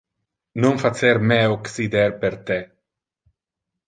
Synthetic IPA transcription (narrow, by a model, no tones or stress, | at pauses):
nonfat͡seɾmeoksid̪eɾpeɾt̪e